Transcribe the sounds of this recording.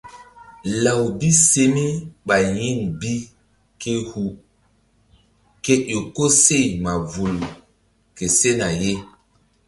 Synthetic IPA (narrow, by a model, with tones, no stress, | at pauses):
la˨wbi˦se˦me˦ɓa˨ji˦˨ŋbi˦ | ke˦hu˨ | ke˦ʔo˨ko˦se˦˨jma˨vu˨l | ke˨se˦na˨je˦